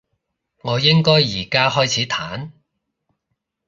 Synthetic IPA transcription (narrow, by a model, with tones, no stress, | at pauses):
ŋɔː˨˧jɪ˥ŋkɔː˥jːiː˨˩kaː˥hɔː˥jt͡sʰiː˨˥t̪ʰaː˨˥n